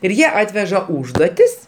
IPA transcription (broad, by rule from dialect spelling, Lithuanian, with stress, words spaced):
ɪr ˈjiɛ ˈɑːtʲʋʲɛʒɐ ˈuːʒduɔtʲɪs